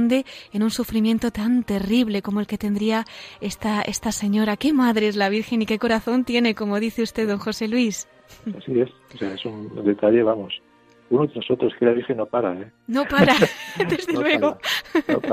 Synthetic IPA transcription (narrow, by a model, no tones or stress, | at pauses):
nd̪e̞enunsufɾimje̞nt̪o̞t̪ant̪e̞riβ̞le̞ko̞moe̞lke̞t̪e̞nd̪ɾiae̞st̪aest̪ase̞ɲo̞ɾake̞maðɾeezlaβ̞iɾxe̞nike̞ko̞ɾaθo̞nt̪je̞ne̞ko̞mo̞ðiθe̞ust̪e̞ðo̞ŋxo̞se̞lwis | asie̞soseaesund̪e̞t̪aʎe̞βamo̞s | unoðenosot̪ɾoskelaβiɾxenːopaɾae | nopaɾad̪ezðelweɣon̰